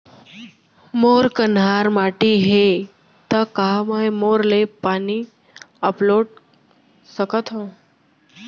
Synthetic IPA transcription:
moːɾkənɦaːɾmaːʈiɦe | t̪əkaɦməjmoːɾlepaːni | əploːɖ | səkət̪ʰɦõ

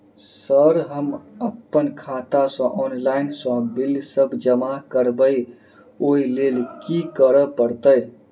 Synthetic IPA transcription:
səɾɦəməpːənkʰat̪asɔ̃ʔɔnlainsɔ̃bilsəbd͡ʒəmakəɾbəj | oilelkikəɾəpəɾt̪əj

